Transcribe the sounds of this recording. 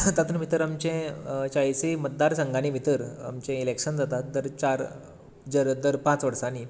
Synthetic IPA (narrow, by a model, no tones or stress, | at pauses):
t̪at̪nmit̪əɾamt͡ɕẽt͡ɕajsimət̪̚d̪aɾsəŋɡañimit̪əɾa̰mt͡ɕẽilekɕənd͡zat̪at̪̚d̪əɾt͡ɕaɾ | d͡zəɾd̪əɾpãt͡sʋəɾsani